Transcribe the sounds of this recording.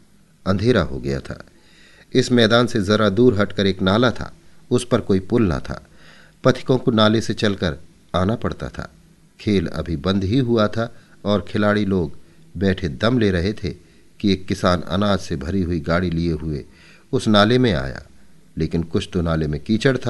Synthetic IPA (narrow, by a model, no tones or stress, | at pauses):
ɐ̃nd̪ʱeːɾaɦo̰ɡɐja̰t̪ʰa̰ː | ɪsmɛːd̪aːnsezɐɾad̪uːɾɦɐʈkəɾeːknaːlat̪ʰa̰ːʊspɐɾkoːipʊlna̰t̪ʰa̰ː | pɐt̪ʰɪ̥kõkonaːleset͡ʃɐlkəɾ | aːnapɐɽt̪a̰t̪ʰa̰ː | kʰeːlɐ̰bʱibɐ̃nd̪ɦiɦʊat̪ʰa | ɔːɾkʰɪlaːɽiloːɡ | bɛːʈʰed̪ɐmleɾɐɦet̪ʰe | kieːkːɪsaːnɐ̰naːd͡ʒsebʱɐɾiɦʊiɡaːɽilieɦʊḛ | ʊsnaːlemẽa̰ːja̰ː | leːkɪnkʊt͡ʃʰt̪onaːlemẽkiːt͡ʃəɽt̪ʰaː